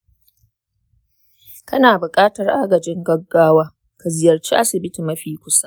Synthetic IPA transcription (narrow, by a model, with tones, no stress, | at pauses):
kɐ˦naː˨bʊ˨kʼaː˦tɐ˨rʔa˦ɡɐ˨d͡ʒɪ˦ŋɡɐ˦ɡːaː˦waː˦ | ka˨zɪ˨jɐ˨rt͡ʃiː˦ʔa˦sɪ˨bɪ˦ti˨mɐ˦ɸiː˨kʷʊ˦sa˦ʔ